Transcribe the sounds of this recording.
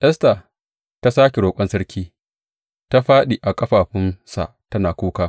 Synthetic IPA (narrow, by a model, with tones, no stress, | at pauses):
ʔɛ˦sta˨ | ta˦saː˦kʲe˨ɾoː˨kʷʼɐ˦nsɐ˦ɽkʲʰiː˦ | ta˦ɸaː˦ɗi˨ʔa˨kʼɐ˦ɸaː˨ɸɪ˦nsa̰˨tɐ˦naː˨kʷuː˦kaː˦